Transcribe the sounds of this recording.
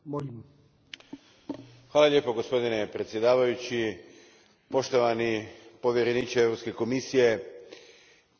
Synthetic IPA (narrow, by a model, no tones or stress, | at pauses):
molim | xʋaːlalʲje̞ːpo̞ɡo̞spo̞d̪ine̞pɾet̪sje̞d̪aːʋajut͡ɕi | po̞ʃt̪o̞ʋanipo̞ʋjeɾenit͡ʃievɾopske̞ko̞misije̞